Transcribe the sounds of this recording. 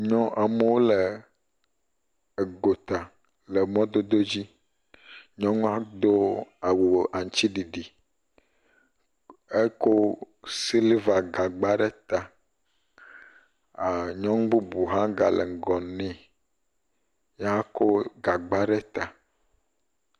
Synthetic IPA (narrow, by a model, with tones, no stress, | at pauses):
ɲɔ̃˦ʔa˨mə˦wo˦lə˨ | ɡo˨t̪a˨ | lə˨mɔ̃˦d̪o˦d̪o˦d͡ʑi˦ | ɲɔ̃˦ŋũ˦a˦d̪o˦a˨wo˨ʔa˨ɲ˨t͡ɕi˦ɖi˨ɖi˨ | e˦ko˦ | si˦li˦va˨ɡa˨ɡ͡ba˦ɖe˦t̪a˨ | a˨ɲɔ̃˦ŋ˦ɡ͡bu˦bu˨ɦã˦ɡa̰˨lə̰˨ŋ̩˨ɡɔ˨nɛ̃˦ | ja˦ko˦ɡa˨ɡ͡ba˦ɖe˦t̪a˨